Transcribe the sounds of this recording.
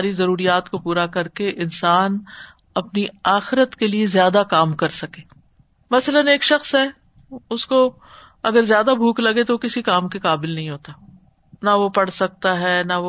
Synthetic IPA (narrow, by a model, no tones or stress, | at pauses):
ɾizɐɾuːɾijaːt̪kopuːɾakɐɾkeʔɪnsaːn | ɐpniaːxɪɾət̪keliezjaːd̪akaːmkɐɾsɐkeː | mɐsələneːkʃɐxsɦɛː | ʊsko | ɐɡəɾzjaːd̪abʱuːklɐɡet̪okɪsikaːmkekaːbɪlnɐɦĩɦoːt̪a | naʋopɐɽsɐk̚t̪aɦɛːnaʋo